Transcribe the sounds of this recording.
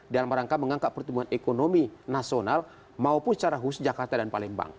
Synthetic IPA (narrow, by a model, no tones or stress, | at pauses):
dialamɾaŋkaməŋaŋkaʔpərt̪əmbuanɛkonominasional | maupʊnst͡ʃaɾaɦusd͡ʒakart̪adanpalɛmba̰ŋ